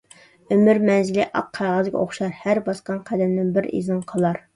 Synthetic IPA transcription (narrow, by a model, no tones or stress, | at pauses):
ømyɾmɛnzɪlɪʔɑ̰p̚qʰæʁɨzɡʲɛ̰ʔoχʃɑɾhæɾbɑsqɑnqʰæd̪ɛmnɪnbɪɾḭzɪnqʰəlˠɑɾ